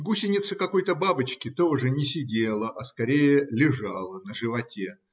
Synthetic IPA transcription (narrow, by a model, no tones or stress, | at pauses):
ɡusʲɪnʲɪt̪səkɐko̞jt̪əbabɨt͡ɕkʲɪt̪oʐɨnʲɪsʲɪdʲelˠəʔɐskɐɾʲejəlʲɪʐɑlˠənəʐɨvɐtʲe